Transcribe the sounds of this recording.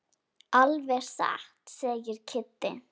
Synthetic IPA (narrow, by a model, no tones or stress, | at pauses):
alvɛɾ̥sa̰ht̪sɛːjɪɾ̥cʰɪt̪ːɪ̰